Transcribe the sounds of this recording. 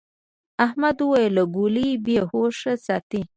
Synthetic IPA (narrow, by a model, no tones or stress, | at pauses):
ahmad̪uwajelaɡulibehoʂasɑt̪i